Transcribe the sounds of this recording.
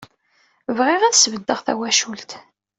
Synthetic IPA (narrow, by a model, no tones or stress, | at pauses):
vʁɪʁæðsvəd̪ːəʁθæ̰wæʃult̪